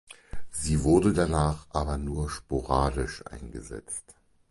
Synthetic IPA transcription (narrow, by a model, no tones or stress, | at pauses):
z̥iːvʊɐdədanaːχʔaːbɐnuːɐʃpoʁaːdɪʃʔa̰ɪnɡəzɛ̰t͡st